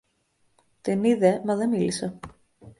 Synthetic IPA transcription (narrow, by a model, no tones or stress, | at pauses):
t̪iniðemɐðe̞milise